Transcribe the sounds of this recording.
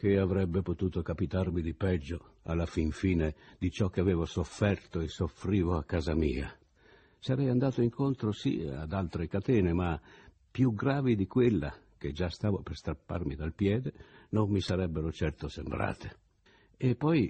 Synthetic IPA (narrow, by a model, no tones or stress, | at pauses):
k̟eavɾɛbːepot̪uːt̪okapit̪armid̪ipɛd͡ʒːoa̰lːafiɱfiːned̪it͡ʃɔkːeavɛːvosofːɛrt̪oesːofɾiːvoakːaːzamḭːa̰ | saɾɛjand̪aːt̪oiŋkont̪ɾosḭa̰d̪alt̪ɾekat̪ɛːnema | pjuɡɾaːvid̪ikwelːa̰k̟ed͡ʒast̪aːvoperst̪ɾapːa̰rmid̪alpjɛːd̪enomːisaɾɛbːeɾot͡ʃɛrt̪osembɾa̰ːt̪e | epːɔj